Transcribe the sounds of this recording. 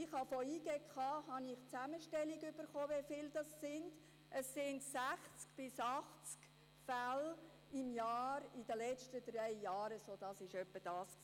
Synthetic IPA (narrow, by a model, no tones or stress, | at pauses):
ɪχhɑfoiːɡekχɑːɦɑnɪχt͡sæməʃtɛliɡʏb̥əɾχoːʋefɪld̥ɑsːɪnd | ʔəsːɪndsæχt͡skb̥ɪsɑχt͡sk | fæl | ɪmjɑːɾɪd̥əlɛt͡ʃtəd̥rɛɪjɑːɾəsoːd̥ɑsɪʃœpːəd̥ɑːsk